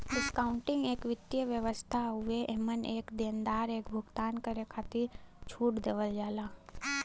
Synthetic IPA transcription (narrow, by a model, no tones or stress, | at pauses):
ɖɪskaːʊ̃ɳʈɪ̃ŋɡeːkʋɪt̪ːjəʋjəʋəst̪ʰaɦʊeʔeməneːkd̪eːnd̪aːɾeːkbʱʊɡt̪aːnkəɾekʰaːt̪iɾt͡ʃʰuːʈd̪eːʋəld͡ʒaːlaː